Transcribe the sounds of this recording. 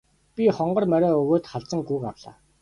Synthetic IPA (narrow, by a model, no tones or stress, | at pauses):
pʲiχɔɴɢɞ̆rmœɾʲɔːɵɣoːt̪χaɮt͡sə̆ŋɡuːkawɮa̰ː